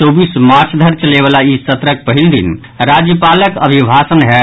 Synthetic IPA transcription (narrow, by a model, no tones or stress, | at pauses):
oːbiːsmaːɾt͡ʃʰd̪ʱəɾt͡ʃəleʋaːlaisət̪ɾək̚pəɦɪld̪ɪ̰n | ɾaːd͡ʒjəpaːləkə̰bʱibʱaːsənɦɛ